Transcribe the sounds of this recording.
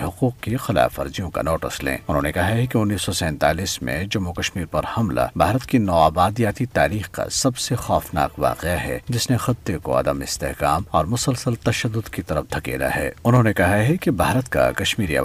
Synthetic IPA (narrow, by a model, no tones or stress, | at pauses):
ɦʊquːqkexɪla̰ːfɐɾd͡ʒijõka̰noːʈɪ̰slḛ̃ːʊnɦõːnekɐɦaɦɛkeʊnːiːsːɔsɛ̃ːnt̪aːliːsmḛ̃d͡ʒʊmːokɐʃmiːɾpɐɾhɐmla̰bʱaːɾət̪kinɔːaːbaːd̪ijaːt̪it̪aːɾiːxka̰sɐbsexɔːfna̰ːqʋa̰ːqeaɦɛ̰d͡ʒɪsnexɪt̪ːeko̰ɐ̰d̪əmɪst̪eɦkaːmɔːɾmʊsəlsəlt̪ɐʃəd̪ːʊd̪kit̪ɐɾəfd̪ʱɐkḛːla̰ɦɛ̰ːʊnɦõnekɐɦaɦɛkebʱaːɾət̪ka̰kɐʃmiːɾiɐ̰